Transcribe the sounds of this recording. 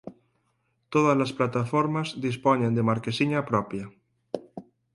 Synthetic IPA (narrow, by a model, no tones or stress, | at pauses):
t̪oð̞azlasplat̪afoɾmazðisponẽnd̪emaɾkesiɲapɾɔpja